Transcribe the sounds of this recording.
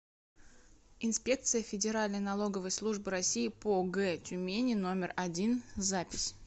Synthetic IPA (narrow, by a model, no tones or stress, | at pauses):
ɪnspʲe̞k̚t̪sɨjəfʲɪdʲɪɾalʲnəjnɐlˠo̞ɡəvəjslˠuʐbɨɾɐsʲijɪpoɡɛtʲʊmʲenʲɪno̞mʲɪrɐdʲinzapʲɪsʲ